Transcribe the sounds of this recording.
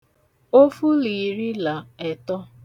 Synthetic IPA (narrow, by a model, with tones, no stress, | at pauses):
o˦fu˦li˨ɾi˦la˨ɛ˨tɔ˦